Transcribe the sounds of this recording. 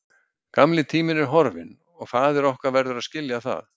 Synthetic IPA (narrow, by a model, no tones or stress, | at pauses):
kamlɪt̪ʰiːmɪnɛɾ̥ɦɔɾvɪn | ɔɣθaːðɛɾɔhkaɾvɛɾðʏɾaðscɪljaθa̰ð